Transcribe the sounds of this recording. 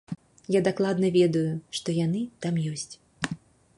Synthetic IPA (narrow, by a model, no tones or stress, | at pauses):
jad̪aklˠad̪nɐvʲɛd̪ɐjuʂt̪ɔjan̪ɨt̪amjɔsʲt͡sʲ